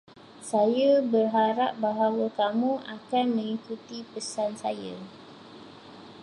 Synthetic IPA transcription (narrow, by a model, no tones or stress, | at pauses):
sajabərɦaɾap̚baɦawəkamũʔakanmə̃ŋikut̪ipəsansa̰ja̰